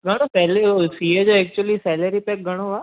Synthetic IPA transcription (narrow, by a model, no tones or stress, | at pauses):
ɡɐɽ̃opɛːlesiːed͡ʒoɛːk̚t͡ʃuəlisɛːləɾipɛk̚ɡɐɽ̃oaː